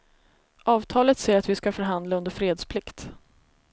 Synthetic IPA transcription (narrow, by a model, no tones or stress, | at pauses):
ʔɑːvt̪ʰɑːlət̪seːɾat̪vɪskafœɾɦand̪laɵnd̪əɾfɾeːd̪spʰlɪkt̪